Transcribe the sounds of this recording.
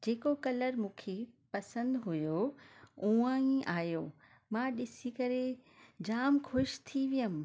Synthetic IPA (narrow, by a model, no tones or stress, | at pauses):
d͡ʑeːkokɐləɾmũːkʰepɐsə̃nd̪ɦʊjo | uːãĩʔaːjo | mãːɗɪsikɐɾed͡ʑaːmxʊʃt̪ʰiʋijəmɪ̆